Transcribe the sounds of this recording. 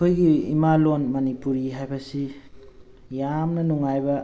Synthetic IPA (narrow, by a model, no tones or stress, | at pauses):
kʰojɡiḭmalonmɐnipuɾiɦajbɐsi | jamnɐnuŋajbɐ